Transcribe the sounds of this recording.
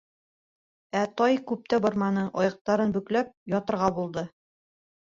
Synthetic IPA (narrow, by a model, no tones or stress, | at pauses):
æt̪ɒjkʉp̚t̪æbŏɾmɑnɤʔɒjɤ̆q̚t̪ɑɾɤnbɵ̆klæp̚jɒt̪ɤ̆ɾʁɑbulˠd̪ɤ